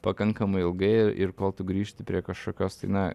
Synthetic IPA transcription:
pɐkɐŋkɐmɐɪɪlˠɡɐɪɪɪ̰ɾkoːlˠt̪ʊɡɾʲiːʃʲt̪ʲɪpʲɾʲiɛkɐʃkoːkʲoːst̪ɐɪnɐ

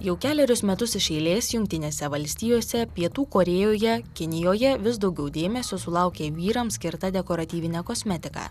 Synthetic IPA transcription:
jɛʊkʲæːlʲɛɾʲʊsmʲɛt̪ʊsɪʃɛɪlʲeːsjʊŋkt̪ʲɪnʲeːsʲɛʋɐlʲsʲt̪ʲiːjoːsʲɛpʲiɛt̪uːkoːɾʲeːjoːjɛkʲɪnʲɪjoːjɛʋʲɪs̬d̪ɒʊɡʲɛʊd̪ʲeːmʲɛsʲoːsʊlˠɑˑʊkʲeːʋʲiːɾɐmsʲkʲɪɾt̪ɐd̪ʲɛkoːɾɐt̪ʲiːʋʲɪnʲɛkoːsʲmʲɛt̪ʲɪkɑ̰ː

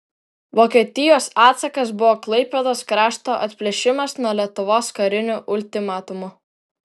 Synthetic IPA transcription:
ʋoːkʲɛt̪ʲɪjoːsɑːt̪sɐkɐsbʊʋɔːklˠɐɪpʲɛd̪oːskɾɑːʃt̪oːʔɐt̪ʲpʲlʲɛʃʲɪmɐsnuɔlʲiɛt̪ʊʋoːskɐɾʲɪnʲʊʔʊlʲt̪ʲɪmɑːt̪ʊmʊ

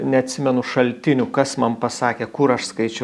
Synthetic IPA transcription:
nʲɛɐt̪ʲsʲɪmʲɛnʊʃɐlʲt̪ʲɪnʲukɐsmɐnpɐsɑːkʲeːkʊɾɐʃskɐɪt͡ʃʲɛ

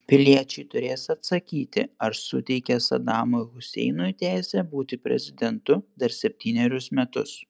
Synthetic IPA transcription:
pʲɪlʲiɛt͡ʃʲɛɪt̪ʊɾʲeːsɐt̪sɐkʲiːt̪ʲɪ̰ɐɾsʊt̪ʲɛɪkʲɛsɐ̰d̪ɑːmoɣʊsʲɛ̰ɪnojt̪ʲæˑːsʲɛbuːt̪ʲɪpʲɾʲɛ̰zʲɪd̪ʲɛnt̪ʊd̪ɐɾsʲɛpʲt̪ʲiːnʲɛɾʲʊsmʲɛt̪ʊs

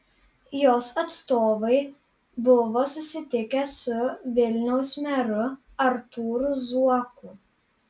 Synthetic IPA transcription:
joːsɐt̪st̪oːʋɐɪ | bʊʋoːsʊsʲɪt̪ʲɪkʲɛsʊʋʲɪlʲnʲɛʊsmʲɛɾʊ | ɐɾt̪uːɾʊzuɔkuː

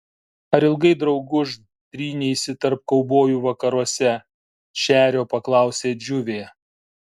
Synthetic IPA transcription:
ɐɾɪlˠɡɐɪd̪ɾɒʊɡʊʃ | d̪̥ʲɾʲiːnʲɛɪsʲɪt̪ɐɾp̚kɐʊboːjuːʋɐkɐɾuɔsʲɛ | ʃʲæːɾʲoːpɐklˠɑˑʊsʲeːd͡ʒʲʊʋʲeː

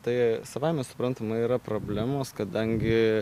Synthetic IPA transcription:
t̪ɐɪsɐʋɐɪmʲɛsʊ̥pɾɐnt̪ɐmɐiːɾɐpɾoːbʲlʲæːmoːskɐd̪ɐŋʲɡʲɪ

